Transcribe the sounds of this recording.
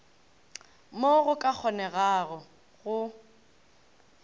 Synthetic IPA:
moɣʊkʼak͡xʰɔnɛɣaɣɔ | ɣʊ

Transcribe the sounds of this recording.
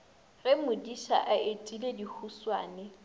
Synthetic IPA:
rɪmʊdiʃa̰ʔaetʼiledihʰuswaːnɛ

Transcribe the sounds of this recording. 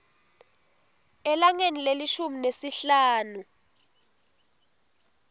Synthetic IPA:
ɛlaŋenileliʃuminesiɬaːnu

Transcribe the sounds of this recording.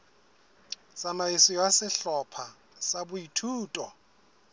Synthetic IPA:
samaisɪwasɪɬɔpʰa | sabʊitʰuːtʼɔ

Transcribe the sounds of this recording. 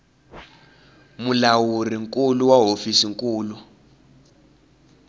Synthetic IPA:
mulawuriŋkuluwaɦofisiŋkʼuːlu

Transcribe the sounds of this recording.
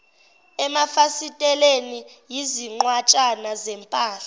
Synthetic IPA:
ɛmafasitʼɛleni | jiziŋ͡ǃwat͡ʃʼanazɛmpʼaːɬa

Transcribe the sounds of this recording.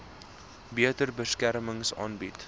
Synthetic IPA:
biətərbəskærməŋsɑ̰ːnbit

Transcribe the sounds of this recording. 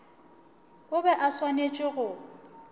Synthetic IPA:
ʊbɛʔaswanet͡ʃʼɪɣʊ

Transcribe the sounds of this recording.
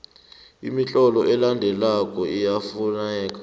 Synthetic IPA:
ḭmit͡ɬʼɔlɔʔɛlandʱɛlakʼɔijafunɛːk̬ʼḁ

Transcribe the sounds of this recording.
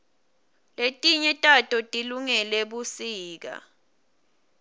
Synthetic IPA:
letʼiɲɛtʼatʼɔtʼiluŋɛleɓusiːk̬a̰

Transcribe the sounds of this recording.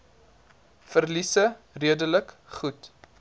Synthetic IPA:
fərlisə | riədələk | χut

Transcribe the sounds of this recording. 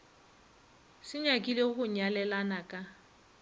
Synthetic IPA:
sɪɲakʼileχʊɲalɛlanakʼa

